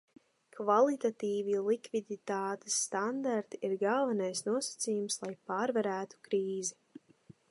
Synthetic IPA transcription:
kvalˠit̪at̪iːvilˠikvid̪it̪aːt̪e̥sːt̪and̪aɾt̪iiɾɡalˠvanajsnuɔsḁt̪siːjumslˠajpaːɾvaɾæːt̪u̥kɾiːzi

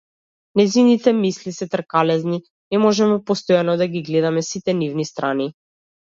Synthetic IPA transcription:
nɛjzinit̪ɛmislisɛt̪r̩ɾkalɛzni | nɛmɔʒɛmupɔst̪ɔjanɔd̪aɡiɡlɛd̪amɛsit̪ɛnivnist̪ɾʔani

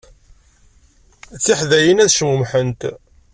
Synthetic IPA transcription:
t͡sːiħðæjənæðʃəmumħənt̪

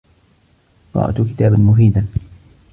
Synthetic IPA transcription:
t̪ˤɑ̰ːʔt̪kɪt̪aːbanmʊfiːd̪an

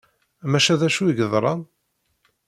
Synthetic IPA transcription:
mæʃæðæʃuiɡəðˤɾˤɑn

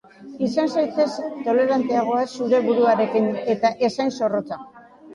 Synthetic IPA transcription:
isansajt̪e̞st̪o̞le̞ɾant̪e̞aɣ̞o̞asuɾe̞βuɾuaɾe̞kine̞t̪aʔe̞sajnso̞ro̞t͡sa

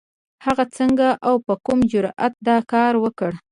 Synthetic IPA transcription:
haɣat͡səŋɡaʔawpəkumd͡ʒʊɾa̰t̪̚d̪ɑkɑɾwəkəɽ

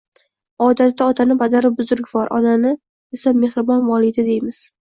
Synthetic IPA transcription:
ɒd̪at̪ːaɒt̪ʰanɪpʰad̪aɾɪbʊzʊɾkʲbɒɾʔɒ̰nanɪ | esamːe̞hɾɪbɒnvɒlˠid̪ad̪e̞jmɪz̥

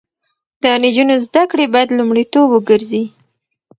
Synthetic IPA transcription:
d̪̥ənid͡ʒunozd̪akɽebɑjad̪lumɽit̪obwəɡəɾzi

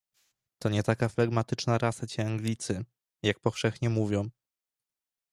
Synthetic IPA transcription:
t̪ɔɲɛt̪akaflaɡmat̪ɘt͡ʂnaɾasat͡ɕɛaŋɡlʲit̪sɘ | jak̚pɔfʂɛxɲɛmuvʲjɔ̃w̃

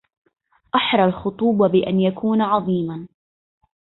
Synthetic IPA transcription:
ʔaħɾˤɑlxʊt̪ˤuːbɑbɪʔanjakʰuːnʕɑðˤiːman

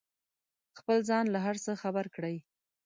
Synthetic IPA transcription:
xpəlzɑnlaɦaɾsəxabaɾkɽəj

